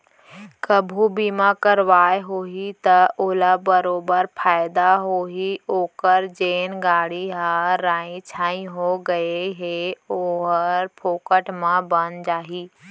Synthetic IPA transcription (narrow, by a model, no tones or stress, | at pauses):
kəbʱubiːmakəɾʋaːeɦoːɦit̪ɐʊlabəɾoːbəɾpʰaːɪd̪aɦoːɦioːkəɾd͡ʒeːnɡaːɽiɦaɾaːĩt͡ʃʰãːĩɦoɡɐeɦeoɦəɾpʰoːkəʈʰmãbənd͡ʒaːɦiː